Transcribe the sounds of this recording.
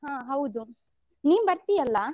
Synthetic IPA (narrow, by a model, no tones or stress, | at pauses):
ɦãːɦɐwd̪u | niːʋbɐɾt̪ijɐlːɐ